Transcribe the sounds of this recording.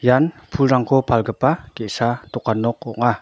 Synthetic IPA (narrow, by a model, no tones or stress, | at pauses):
janpʰulɾaŋkopʰalɡəpakeʔsat̪ukanɔk̚ɔ̰ʔŋa